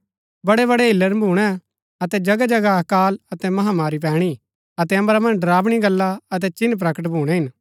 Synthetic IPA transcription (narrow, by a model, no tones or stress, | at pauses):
bɐɽeβɐɽeɦɪlːəɾbʱuːɽ̃ɛ | ɐt̪ɛd͡ʒɐɡad͡ʒɐɡakaːlɐt̪ɛmɐɦamaːɾip̬ɛ̃ːɽ̃i | ɐt̪ɛɐ̃mɾamɐ̃nd͡ʒɖɐɾaːbɽ̃iɡɐlːaɐt̪̬ɛt͡ʃɪnp̬ɾɐkəʈ̬bʱuːɽ̃ɛɦɪn